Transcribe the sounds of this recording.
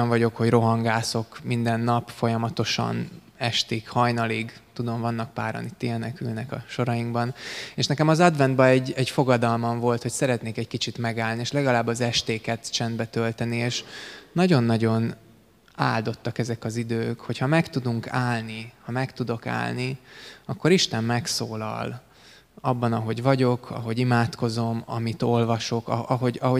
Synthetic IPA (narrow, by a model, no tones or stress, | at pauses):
ɱvɒɟo̞kho̞ɟro̞ɦɒŋɡaːso̞kmind̪ɛnːɒpfo̞jɒmɒt̪o̞ʃɒ̰n | ɛʃt̪ikhɒjnɒliɡt̪ud̪o̞ɱvɒnːɒk̚paːɾɒ̰nit̪ːijɛnɛkylnɛkɒ̰ʃo̞ɾɒjiŋɡbɒneːʃnɛkɛmɒzɒd̪vɛnd̪̚bɛɛɟːɛɟfo̞ɡɒd̪ɒlmɒɱvo̞lt̪ho̞csɛɾɛt̪neːkɛckit͡ʃit̪mɛɡaːlnieːʃlɛɡɒlaːbːɒzɛʃt̪eːkɛt̪t͡ʃɛnd̪bɛt̪ølt̪ɛnieːʃnɒɟo̞nːɒɟo̞n | aːld̪o̞t̪ːɒkɛzɛkɒzid̪øːkho̞chɒmɛkt̪ud̪uŋkaːlnihɒmɛkt̪ud̪o̞ka̰ːlniɒkːo̞ɾiʃt̪ɛmmɛksoːlɒ̰l | ɒbːɒnɒɦo̞ɟvɒɟo̞kʰɒ̰ɦo̞ɟimaːt̪ko̞zo̞mɒ̰mit̪o̞lvɒʃo̞kɒ̰ɒɦo̞ɟɒɦo